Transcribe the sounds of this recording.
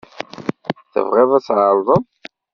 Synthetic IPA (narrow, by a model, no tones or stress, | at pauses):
θə̰vʁiðˤæsʕəɾðˤən